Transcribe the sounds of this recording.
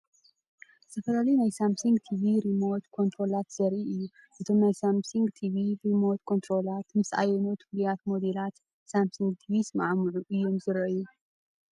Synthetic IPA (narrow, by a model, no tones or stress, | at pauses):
zʰɐfɐlalinajsamsuŋɡt̪ʰiviɾimo̞t̪kʰo̞nt̪ʰɾo̞lat̪z̥ɐɾʔiʔɨjːu | ʔɨt̪ʰo̞mnajsamsuŋɡt̪ʰiviɾimo̞t̪kʰo̞nt̪ʰɾo̞lat̪mɨsʔa̰jɛnut̪ʰɨ̥flujat̪mo̞d̪elat̪ | samsuŋɡ̚t̪ʰivismaʕmɨʕuʔɨjːomzɨɾʔɐju